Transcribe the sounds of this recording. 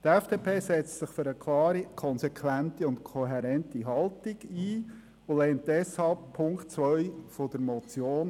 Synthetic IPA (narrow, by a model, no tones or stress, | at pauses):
t̪ɛfd̥eːpʰeːsɛt͡stsɪχføɾəkʰlɑːɾikʰɔnsɛkʰʋæntiʊntkʰɔɦɛɾɛntiɦɑltɪɡiː | ʊlɛːntdɛshɑlp̚pʰːʊŋktt͡sʋœʏfod̥̪əɾmɔt͡sjoːn